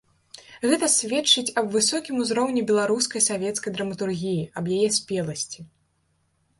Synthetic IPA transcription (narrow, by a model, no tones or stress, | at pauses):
ɣɛt̪ɐsʲvʲɛt͡ʂːɨt͡sʲɐbvɨsɔkʲimuzɾɔwnʲibʲɛlˠaɾuskɐjsavʲɛt̪skɐjd̪ɾɐmɐt̪urɣʲijiɐbjajɛsʲpʲɛlˠɐsʲt͡sʲi